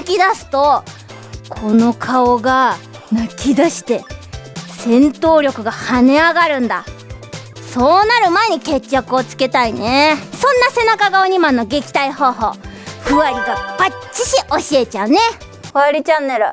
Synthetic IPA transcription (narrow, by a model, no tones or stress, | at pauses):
akʲid̪asɨ̥t̪o̞ | kʰo̞no̞kʰaoɡa | nakʲid̪aɕi̥t̪e̞ | sẽ̞nt̪o̞ːɾʲo̞kɯ̟ɡahane̞aɡaɾɯ̟̃nd̪a | so̞ːnaɾɯ̟maeɲ̟ike̞t͡ɕːakɯ̟o̞t͡sɨ̥ke̞t̪aine̞sõ̞nːase̞nakaɡaoɲ̟imãnːo̞ɡe̞kʲi̥t̪aiho̞ːɦo̞̰ːɸɯ̟aɾʲiɡapat͡ɕiɕiʔo̞ɕie̞t͡ɕaɯ̟ne̞ | koaɾʲit͡ɕanːe̞ɾɯ̟